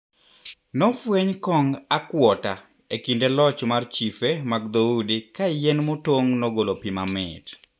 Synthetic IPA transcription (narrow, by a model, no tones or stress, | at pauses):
nɔfweɲkɔŋakwɔta | ekindelɔt͡ʃmart͡ʃifemaɡd̪oudikajenmotoŋnɔɡolopimamɛ̰t